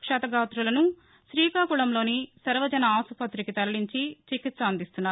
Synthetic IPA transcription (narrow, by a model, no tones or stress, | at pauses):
kʂɐːt̪ɐɡaːt̪ɾulɐnu | ʃɾiːkaːkuɭɐmlo̞ːnisɐɾʋɐd͡ʒɐnɐaːsupɐt̪ɾikit̪ɐɾɐɭiɲt͡ʃit͡ʃikit̪sɐːnd̪ist̪unːaː